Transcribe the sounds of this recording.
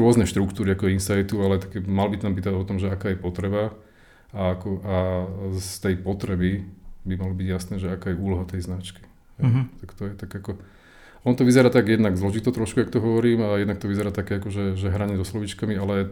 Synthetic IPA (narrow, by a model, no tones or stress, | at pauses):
ɾʊɔznɛʃt̪ɾukt̪uːɾiakɔinsajt̪ualɛt̪akɛmalbit̪ampiːt̪aɔt̪ɔmʒɛakaːjɛpɔt̪ɾɛba | aakɔast̪ɛjpɔt̪ɾɛbibimalɔbiɟjasnɛːʒɛakaːjɛuːlɔɦat̪ɛjznat͡ʃki̥ | ɦɛjt̪akt̪ɔjɛt̪aɡakɔ | ɔnɔt̪ɔʋizɛɾaːt̪aɡjɛd̪naɡzlɔʒit̪ɔt̪ɾɔʃkujak̚t̪ɔɦɔʋɔɾiːmajɛd̪nakt̪ɔʋizɛɾaːt̪akɛːakɔʒɛʒɛɦɾaɲɛzɔslɔʋit͡ʃkamialɛ